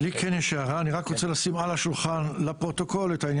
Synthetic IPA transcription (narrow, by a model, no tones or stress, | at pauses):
likʰenjeʃeaʁaaniʁakʁot͡selasimalaʃulχanlapʁo̞t̪o̞ko̞let̪ainj